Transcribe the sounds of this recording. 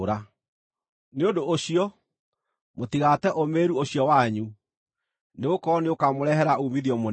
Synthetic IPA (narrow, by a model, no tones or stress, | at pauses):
ɾa | neondooɕiɔ | motiɣatɛʔomeːɾuoɕjɔwaɲu | neɣokɔneokamoɾɛɦɛɾaumiðiɔmo